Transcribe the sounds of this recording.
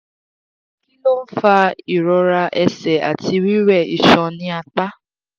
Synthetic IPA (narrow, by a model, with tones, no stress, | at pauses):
ki˦lo˦m̩˦fa˦i˨ɾɔ˨ɾa˧ʔe˨sɛ˨a̰˨ti˦wi˦ɾɛ˦˨i˨ʃɔ˨nɪ̃˦a˨k͡pa˦